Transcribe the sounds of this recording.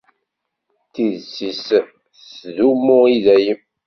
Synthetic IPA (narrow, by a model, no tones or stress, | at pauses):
θiðsis | sðumːʊiðæjəm